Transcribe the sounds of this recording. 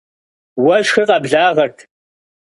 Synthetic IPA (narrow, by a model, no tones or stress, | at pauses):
wɐʃxiqɐbɮaːʁɐrtʰ